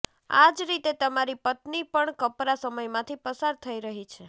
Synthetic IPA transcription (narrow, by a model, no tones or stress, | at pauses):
a̰d͡ʒɾit̪et̪əmaɾipət̪nipəɳkəpɾasəməjmãt̪ʰipəsaɾt̪ʰəiɾəɦit͡ʃʰe